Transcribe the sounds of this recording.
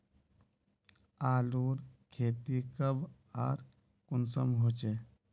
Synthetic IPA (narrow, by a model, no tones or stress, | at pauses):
aːluːɾkʰeːt̪ikəb | a̰ːɾ | kunsə̰mɦoːt͡ʃeː